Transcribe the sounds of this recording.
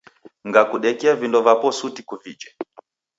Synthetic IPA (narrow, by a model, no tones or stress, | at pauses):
ŋɡakuɗɛkɛavindɔvapɔsutikuvid͡ʒɛ